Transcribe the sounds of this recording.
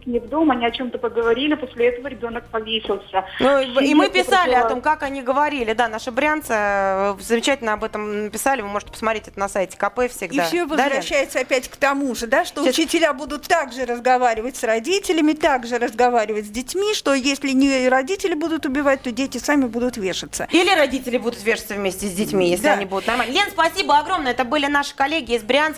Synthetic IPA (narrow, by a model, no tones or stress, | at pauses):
knʲɪvd̪omɐnʲiɐt͡ɕo̞mt̪əpəɡəvɐɾʲilʲɪposʲlʲɪɛt̪əvəɾʲɪbʲo̞nək̚pɐvʲesʲɪlˠsʲənuimɨpʲɪsalʲɪɐt̪o̞mkakɐnʲiɡəvɐɾʲilʲɪd̪anaʂɨbɾʲant̪səzəmʲɪt͡ɕætʲɪlʲnəɐbɛt̪əmnəpʲɪsalʲɪvɨmo̞ʐɨtʲɪ̥pəsmat̪ɾetʲɛt̪ənɐsajtʲɪ̥kɐpɛfʲsʲɪɡifsʲovəzɾɐɕːæjɪt̪səɐpʲætʲkt̪ɐmuʐɨd̪aʂtt̪oʊt͡ɕɪtʲɪlʲabud̪ʊt̪ːaɡʐɨɾəzɡɐvaɾʲɪvətʲsrɐdʲitʲɪlʲɪmʲɪt̪aɡʐɨɾəzɡɐvaɾʲɪvətʲzʲdʲɪtʲmʲiʂt̪o̞jesʲlʲɪnʲɪɾɐdʲitʲɪlʲɪbud̪ʊt̪ʊbʲɪvat̚ʲt̪o̞dʲetʲɪsamʲɪbud̪ʊt̪vʲe̞ʂət̪səilʲɪɾɐdʲitʲɪlʲɪbud̪ʊt̪vʲeʂə̥t̪səvmʲesʲtʲɪzʲdʲɪtʲmʲijesʲlʲɐnʲibud̪ʊt̪nɐrmalʲnʲenspɐsʲibəɐɡɾomnəɛt̪əbɨlʲɪnaʂɨ̥kɐlʲːeɡʲɪːzbɾʲɪans